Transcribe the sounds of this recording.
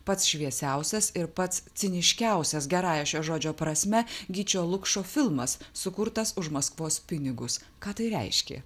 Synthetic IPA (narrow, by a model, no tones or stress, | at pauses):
pɐt̪sʃʲʋʲiɛsʲæˑʊsʲɛsɪɾpɐt̪st̪sʲɪnʲɪʃʲkʲæˑʊsʲɛsɡʲɛɾɑːjɛʃʲoːʒoːd͡ʒʲoːpɾɐsʲmʲɛɡʲiːt͡ʃʲoːlˠʊkʃoːfʲɪlˠmɐsːʊkʊɾt̪ɐsʊʃmɐskʋoːspʲɪnʲɪɡʊs | kɑːt̪ɐɪɾʲɛ̰ɪʃʲkʲḛː